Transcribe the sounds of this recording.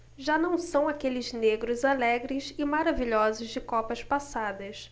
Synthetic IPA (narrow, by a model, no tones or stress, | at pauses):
ʒanɐ̃w̃sɐ̃w̃akelɪzneɡɾʊzalɛɡɾɪsɪmaɾaviʎɔzʊzd͡ʒɪkɔpɐspasad̪ɐs